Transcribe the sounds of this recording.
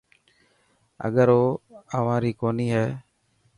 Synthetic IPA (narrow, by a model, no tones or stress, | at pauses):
ə̰ɠəɾoːəʋãːɾiːkoːniːɦɛː